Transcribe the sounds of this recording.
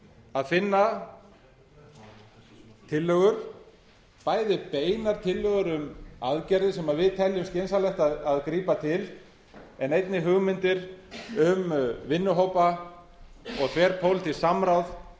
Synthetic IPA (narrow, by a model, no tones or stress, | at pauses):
aðfɪnːa | t̪ʰɪlːœɣʏɾ̥ | paːjðɪpeːjnaɾ̥t̪ʰɪlːœɣʏɾʏmaðcɛɾðɪsɛmaðvɪðt̪ʰɛljʏmscejnsalɛxt̪aðaðkɾiːpat̪ʰɪl | ɛnejt̪nɪɦʏɣmɪnt̪ɪɾʏmvɪnːʏɦowpa | ɔɣθvɛːɾpʰowlt̪ʰɪlsamɾawθ